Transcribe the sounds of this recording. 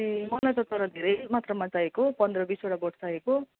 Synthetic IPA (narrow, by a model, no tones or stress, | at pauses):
emʌlajt͡sʌt̪ʌɾʌd̪ʱeɾʌjmat̪rʌmat͡saekopʌnd̪rʌbisoʈaɡoʈt͡saɦeko